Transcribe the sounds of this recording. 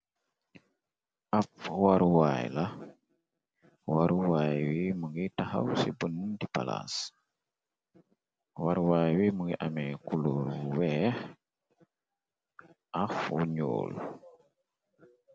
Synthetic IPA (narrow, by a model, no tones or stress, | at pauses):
afwaɾuwajla | waɾuwajwiməŋɡitaha̰wsibənmumdipa̰la̰s | waɾwajwiməŋɡiʔamɛkuloɾuwɛːh | afṵɲo̰ːl